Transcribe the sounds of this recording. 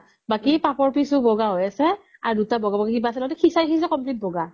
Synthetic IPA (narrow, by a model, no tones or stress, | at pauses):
bakipapɔɹpisʊbɔɡaɦojasɛa̰ɹudutabɔɡabɔɡakibaːsɛlɔtɛxʰisaxis̬ɛkɔmplit̚bɔɡa